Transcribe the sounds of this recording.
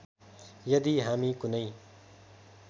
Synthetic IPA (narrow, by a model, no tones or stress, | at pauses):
jʌd̪iɦamikunʌj